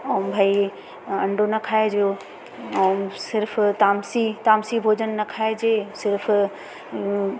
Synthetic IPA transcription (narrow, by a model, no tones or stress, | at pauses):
ɐ̃mbʱai | ɐ̃ɳɖʱonɐkʰaːed͡ʑo | ɐsɪɾft̪aːmsit̪aːmsibʱoːd͡ʑənnɐkʰaːed͡ʑeːsɪɾf